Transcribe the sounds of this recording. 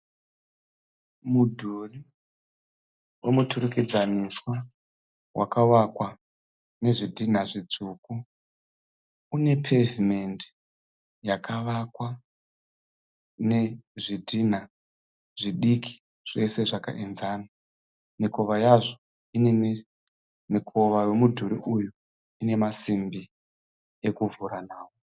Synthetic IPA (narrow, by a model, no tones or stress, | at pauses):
mudʱuri | wemutʰuruked͡zaniswa | wa̰kaʋakwa | ne̞ʐidʱin̤aʐid͡zuku | une̞pʰevimendi̥ | jakaʋakwa | neʐidʱin̤a | ʐiɗiki̥ | ʐ̥e̞se̞ʐaka̰ʔinzaːna | miko̞ʋajaʐo | inem | mikʰo̞ʋaje̞mudʱuɾiʔuju | ine̞masimbi | ekuvuɾanaːwo